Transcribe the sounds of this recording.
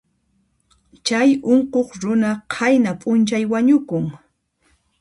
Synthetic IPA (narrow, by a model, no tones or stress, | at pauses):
t͡ʃajoɴqoχɾʊnaqʰajnapʼʊnt͡ʃajwaɲʊkʊŋ